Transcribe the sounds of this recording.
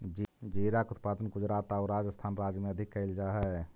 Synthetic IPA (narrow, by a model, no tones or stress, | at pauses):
d͡ʒiɾakut̪̚pad̪ənɡud͡ʒɾat̪aɾad͡ʒəst̪ʰaːnɾad͡ʒjəmeəd̪ʱikːəɪld͡ʒaɦɛ